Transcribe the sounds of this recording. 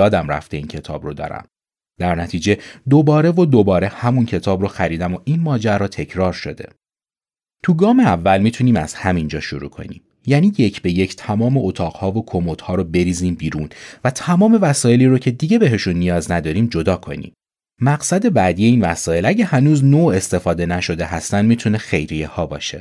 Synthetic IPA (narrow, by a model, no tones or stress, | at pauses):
jɒːd̪æmræ̰ft̪e̞ḭːncʰe̞t̪ʰɒ̰ːbrod̪ɒ̰ːɾæ̰m | d̪̥æɾnæt̪ʰiːd͡ʒe̞d̪o̞bɒːɾe̞vod̪o̞bɒːɾe̞hæmuncʰe̞t̪ʰɒːbɾoxæɾiːd̪æmoʔinmɒːd͡ʒæɾɒːt̪ʰe̞cʰɾɒːɾʃo̞̰d̪e̞̰ | t̪ʰuɡɒːmeævːælmit̪ʰuniːmæ̰z̥hæmind͡ʒɒːʃoɾṵːkʰo̞̰nḭm | jæːniːjecʰbe̞jecʰt̪ʰæmɒːmeʔot̪ʰɒːɢhɒːvokʰomot̪hɒːɾobe̞ɾiːziːmbiːɾuːnvæt̪ʰæmɒːme̞væsɒːje̞liːɾocʰe̞d̪iɟe̞be̞ɦe̞ʃunːijɒːznæd̪ɒːɾiːmd͡ʒo̞d̪ɒːkʰo̞̰nḭːm | mæɢsæd̪e̞bæːd̪ije̞iːnvæsɒːje̞læɟæhænuːznoe̞st̪e̞fɒːd̪e̞næʃo̞d̪e̞ɦæst̪ænd̪mit̪ʰune̞xejɾijehɒːbɒ̰ːʃe̞̰